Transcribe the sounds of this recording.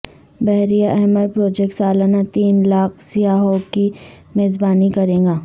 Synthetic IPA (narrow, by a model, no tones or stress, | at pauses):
bɛɦɾijaʔɛɦməɾpɾoːd͡ʒɛk̚ʈsaːlaːnat̪iːnlaːk̚sijaːɦoːki | meːzbaːnikɐɾẽːɡaː